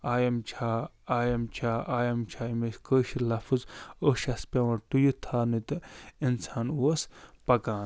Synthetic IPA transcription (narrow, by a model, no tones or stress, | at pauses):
aːjɐmt͡ʃʰaː | aːjɐmt͡ʃʰaːʔaːjɐmt͡ʃʰaːimeskəːʃilɐfɨzəʃɐspʲɐwɐ̃ʈujut̪ʰaːnit̪ɨinsaːnuɐspɐkãːn